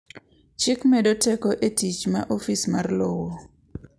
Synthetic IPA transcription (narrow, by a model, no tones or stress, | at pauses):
t͡ʃɪkmɛdotɛkoʔetit͡ʃmaʔofismarlɔwɔ